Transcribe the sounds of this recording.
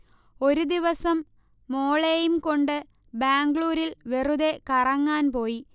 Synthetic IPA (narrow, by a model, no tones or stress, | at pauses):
o̞ɾud̪iʋɐsɐmː | o̞ːɭejumko̞ɳɖɨ | baːŋɡɭuːɾilʋeruðe̞kɐrɐŋːaːnpo̞ːji